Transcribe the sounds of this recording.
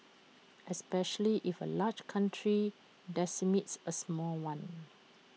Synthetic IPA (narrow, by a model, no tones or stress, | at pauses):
ʔɛspɛʃəliʔifə̰lad͡ʒkʰãntʰɹi | dɛsimitsəsmɔlwãn